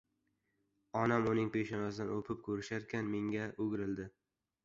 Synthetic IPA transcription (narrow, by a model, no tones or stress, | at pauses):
ɒnamʊnɪŋpeʃɪnɒsd̪anopʰɪp̚kʰɵɾɪʃaɾkʲʰanme̞ŋɡʲaʔʊɡʲɾɪld̪ɪ